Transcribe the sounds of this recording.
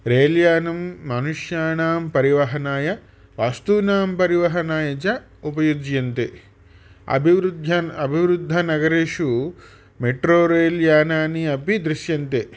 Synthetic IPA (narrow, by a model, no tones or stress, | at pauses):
ɾeːljaːnɐmːɐnuʂjaːɳaːmpɐɾiʋɐɦɐnaːjɐ | ʋaːst̪uːnaːmpɐɾiʋɐɦɐnaːjɐt͡ʃɐ | upɐjud̪jɐnt̪e | ɐ̰bʱiʋɾd̪ʱɐɐbʱiʋɾud̪ʱːɐnɐɡɐɾeːʂu | meʈɾoːɾeːljaːnaːniɐpid̪ɾiʃjɐnt̪e